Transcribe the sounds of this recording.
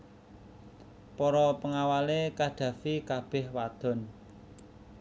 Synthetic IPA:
pɔɾɔpəŋawalekaɖ̪̥ä̤fikab̥ɛ̤hwad̪̥ɔ̤n

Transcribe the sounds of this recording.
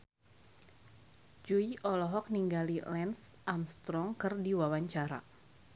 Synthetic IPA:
d͡ʒuiʔɔlɔɦɔk̚niŋɡalilɛnsʔamst̪ɾɔŋkɨrdiwawaɲt͡ʃaɾa̰

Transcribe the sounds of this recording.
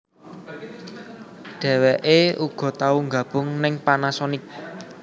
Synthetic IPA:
ɖ̥ɛ̤wɛʔeuɡ̥ɔ̤t̪auŋɡä̤b̥ʊ̤ŋnɪŋpanasɔnɪk̚

